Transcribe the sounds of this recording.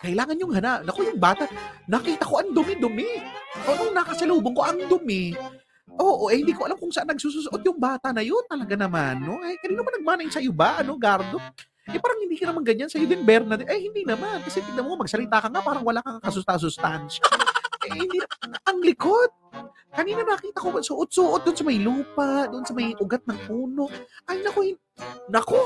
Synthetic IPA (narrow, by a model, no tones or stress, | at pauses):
kɐʔɪlaːŋɐnjʊŋhɐnanɐkojʊŋbaːt̪anɐkiːt̪ɐko̞ʔɐŋd̪ʊmɪd̪ʊmɪʔoʔnoŋnɐkɐsɐloːboŋko̞ʔɐŋd̪ʊmɪ | ʔoːʔoʔɛhɪnd̪iːkoɐlamkʊŋsɐʔanːɐɡ̚suːs̬usʔot̪̚jʊŋbaːt̪ɐnɐjont̪ɐlɐɡanɐmanːo̞ʔɐjkɐniːnʊpɐnɐɡ̚maːnɐjnsɐjʊbaʔɐno̞ɡaɾd̪o̞ | ʔɛpaːɾɐŋhɪnd̪iːkɐnɐmaŋɡɐɲansɐjod̪ɪnbɛɾnɐd̪ɪʔɐjhɪnd̪inɐmankɐsɛpɪd̪ɪɐmokamɐɡ̚sɐlɪt̪aːkɐŋapaːɾɐŋwɐlaŋkɐakɐsʊst̪as̬ʊst̪anʃaʔɛjhɪnd̪inɐʔɐŋlɪkod̪̚ | kɐniːnɐnɐɐkiːt̪ɐkobɐsʊʔot̪̚suʔod̪ʔonsɐmɐjluːpad̪ʊʔonsɐmɐjʔʊɡat̪̚nɐŋpuːno̞ʔʔajʊnɐkohɪn | nɐko